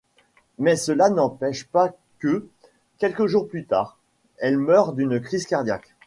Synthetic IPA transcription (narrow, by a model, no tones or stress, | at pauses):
mɛsəlanɑ̃pɛʃpa | kə | kʲɛlkəʒuʁplyt̪a̰ːʁ | ɛlmœʁd̪ynkχizkaʁd̪jak